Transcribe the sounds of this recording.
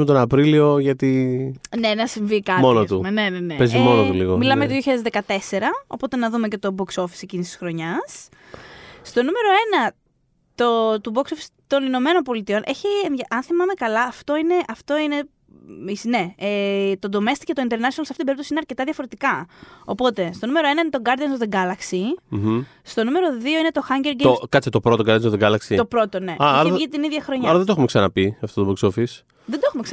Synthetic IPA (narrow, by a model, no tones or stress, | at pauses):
met̪onɐpɾilio̞ʝɐt̪inenɐsiɱvikɐt̪monot̪unenenepezimo̞not̪uliɣomilɐmejɐt̪oðjoçaɐðzðekɐt̪e̞se̞ɾɐo̞̰po̞t̪e̞nɐðume̞ce̞t̪o̞bo̞kso̞fi̥secinist̪i̥sxɾo̞ɲɐs | st̪o̞nume̞ɾo̞e̞nɐ | t̪ot̪uboksofist̪o̞nino̞me̞no̞npo̞lit̪io̞nʔe̞çiemʝɐʔɐnθimɐme̞kɐlɐːft̪o̞ine̞ʔɐft̪o̞ine̞ | isne̞ | t̪o̞nd̪o̞me̞st̪icet̪o̞int̪eɾnɐsionɐlsɐft̪iibeipt̪osiineɐɾce̞t̪ɐðjɐfo̞ɾet̪ikɐopo̞t̪e̞st̪o̞nume̞ɾo̞e̞nɐinet̪oɡɐɾd̪iɐnst̪oðe̞ɡɐlɐksi | st̪o̞nume̞ɾo̞ðio̞ine̞t̪o̞xɐɲɟeɾɡeokɐt̪t͡sit̪o̞pɾot̪o̞ɡɐɾd̪jnst̪oðeɡɐlɐksit̪o̞pɾo̞t̪o̞ne̞ɐɐɾɐit̪iniðʝɐxɾo̞ɲɐɐɾɐðed̪oeumeksɐnɐpiɐft̪ot̪oboksofis | ðed̪oe̞xumeksɐ